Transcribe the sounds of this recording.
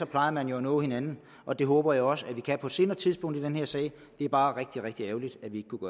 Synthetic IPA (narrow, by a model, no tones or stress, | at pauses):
sɒ̽pʰlɑ̈ɪðɐmænjo̝ænɔ̰ːhe̝nænn̩ | ʔɒ̽d̥e̝ɦɔːb̥ɐjäɒ̽səæʋikʰæpʰɒ̽se̝ːnɐt͡sʰiðˠsb̥ɔ̽ŋ̰d̥id̥enheɐsɛ̰ːɪ | d̥e̝æɐb̥ɑ̈ːʁeɡ̥̚d̥iʁɛɡ̥̚d̥ieʊlid̥æʋie̝ɡ̥ə̥kʰuɡ̥ɶɐ